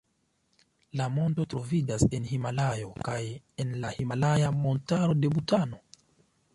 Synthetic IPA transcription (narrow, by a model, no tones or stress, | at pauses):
lamo̞nto̞tɾo̞vid͡ʒase̞nhimalajo̞kaj | e̞nlahimalajamo̞ntaɾo̞de̞butano̞